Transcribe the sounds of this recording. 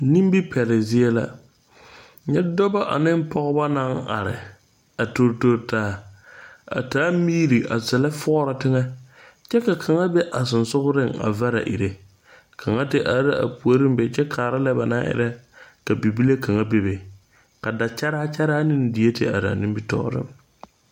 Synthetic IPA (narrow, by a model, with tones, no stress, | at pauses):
ni˦m˦bi˦pʰɛ˨ɾɪ˨zɪ˦e˦la̰˦ | ɲɛ˦dɔ˦ba˦ʔa̰˨nɪ˦m˦pʰɔ˦ɣʊ˦ba˦na˦ŋa̰˨ɾɪ̰˨ | a˨to˨ɾto˨ɾtaː˨˦ | a̰˨taː˦miː˦ɾi˨ʔa˨zɛ˨la˦fɔː˦ɾa˨tɪ˦ŋɛ˦ | t͡ʃɛ˦ka˨kʰa˨ŋa˦be˦ʔa˨sɪ˨nsʊ˦ɣʊ˦ɾɪ˦ŋa̰˨va˦ɾa̰˨ʔḭ˨ɾe˦ | kʰa˨ŋa˦tɪ˦ʔa˨˦ɾɪ˦ʔa̰˨pu˨o˨ɾɪ˦mbɛ˨t͡ʃɛ˦kʰaː˨ɾa˦lɛ˦ba˨na̰˦ʔɪ̰˦ɾɛ˦ka˨bi˨bi˦le˦kʰa˨ŋa˦be˨be˨ | ka˨da˨t͡ʃa˦ɾa˦t͡ʃa˦ɾa˦nɪ˦n˦dɪ˨je˦tɪ̰˨a̰˨ɾɪ˨a̰˨nɪ˦bi˦tɔ̰˦˨˦ɾɪ̰˦m